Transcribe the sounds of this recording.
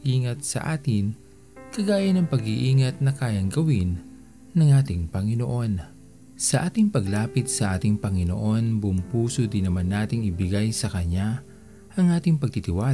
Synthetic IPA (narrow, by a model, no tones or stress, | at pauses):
ʔiːŋɐt̪̚sɐ̰ʔaːt̪ɪn | kɐɡaːjɐnɐŋpɐɡiʔiːŋɐt̪̚nɐkaːjɐŋɡɐwɪnː | ɐŋʔaːt̪ɪŋpɐŋɪno̞ʔo̞n | sɐʔaːt̪ɪŋpɐɡlaːpɪt̪̚sɐʔaːt̪ɪŋpɐŋɪno̞̰ʔo̞nbʊmpuːsod̪ɪnɐmanːaːt̪ɪŋɪbɪɡajsɐkɐɲa | ʔɐŋʔaːt̪ɪŋpɐɡ̚t̪ɪt̪ɪwa